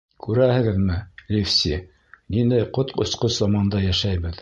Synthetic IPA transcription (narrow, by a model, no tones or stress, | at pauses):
kʉɾæhɘ̆ɡɘðmɘlʲifsʲi | nind̪æjqot̪ŏ̰sqoszɑmɑnd̪ɑjæʃæjbɘð